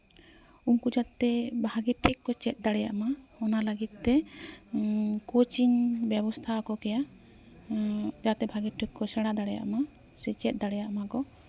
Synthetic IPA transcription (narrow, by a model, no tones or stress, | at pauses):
uŋkud͡ʒat̪ɛbʱaɡiʈʰikkɔt͡ʃɛt̪̚ˀd̪aɽɛja̰ʔmaɔnaləɡit̪̚ˀt̪ɛ | kot͡ʃiɲbjɛbɔst̪ʰakɔkɛja | d͡ʒat̪ɛbʱaɡiʈʰːik̚kɔsɛɽad̪aɽɛja̰ʔma | sɛt͡ʃɛt̪̚ˀd̪aɽɛjaʔmakɔ